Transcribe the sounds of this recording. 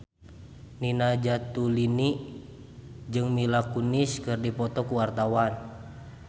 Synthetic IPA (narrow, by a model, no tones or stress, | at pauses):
ninad͡ʒat̪uliniʔ | d͡ʒɨŋmilakuniskɨrdipɔt̪ɔkuwart̪awan